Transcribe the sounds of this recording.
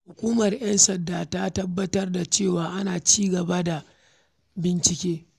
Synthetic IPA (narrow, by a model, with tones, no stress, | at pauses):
hʊ˨kʷuː˦mɐ˨rj̰ɐ˦nsɐ˨ndaː˨ta˦tɐ˦bːɐ˦tɐ˦rda˨t͡ʃeː˦˨waː˨ʔa˦naː˨t͡ʃiː˦ɡɐ˨ba˦da˨ | bɪ˦nt͡ʃɪ˦kʲeː˦